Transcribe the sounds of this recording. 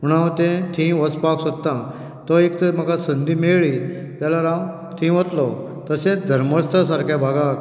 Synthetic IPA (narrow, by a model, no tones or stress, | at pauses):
ɦuɽ̃at̪ẽt̪ʰĩʋət͡spaksod̪t̪ːã | t̪ɔekt̪m̤aɡasənd̪iːmeɭi | t̪jalaɾãw | t̪ʰĩʋət̪lɔ | t̪əsẽd̪ʱəɾməst̪əs̬aɾkʰjabʱaɡak